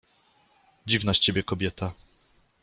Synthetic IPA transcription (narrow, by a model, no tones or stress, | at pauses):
d͡ʑivnaɕt͡ɕebʲjɛkɔbʲjɛt̪a